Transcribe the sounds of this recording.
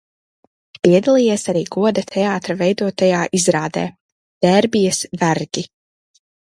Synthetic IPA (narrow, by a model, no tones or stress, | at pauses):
piɛd̪alˠiːjeːsaɾiːɡuɔd̪at̪ʰɛaːt̪ɾavɛjd̪uɔt̪ajaːʔizɾaːd̪ɛ̰ː | d̪̥ɛɾbijɐsvæɾɡʲi